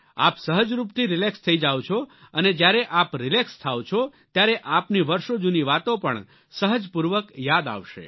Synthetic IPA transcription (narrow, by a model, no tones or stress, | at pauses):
a̰psəɦəd͡ʒɾupt̪ʰiɾɪlekst̪ʰəid͡ʒawt͡ʃʰoəned͡ʒjaɾeʔapɾɪlekst̪ʰaʋt͡ʃʰot̪jaɾeʔapniʋəɾʃod͡ʒuniʋat̪opəɳ | səɦəd͡ʒpuɾʋəkjad̪a̰ʋʃḛ